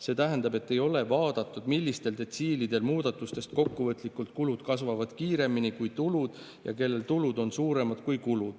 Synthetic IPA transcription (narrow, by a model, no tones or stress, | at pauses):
se̞ːt̪æɦænd̪̥ɑbe̞t̪ːe̞jo̞le̞vɑːd̪̥ɑt̪ːˑud̪̥milːist̪e̞ld̪e̞t̪siːlid̪̥e̞lmuːd̪̥ɑt̪ːˑust̪e̞st̪ko̞kːuvɤt̪ˑlikːult̪̚kulud̪̥kɑsvɑvɑd̪̥kiːɾe̞minikujt̪ulud̪̥ | jɑ̰ke̞lːe̞lt̪ulud̪o̞nsuːɾe̞mɑd̪̥kujkulud̪̥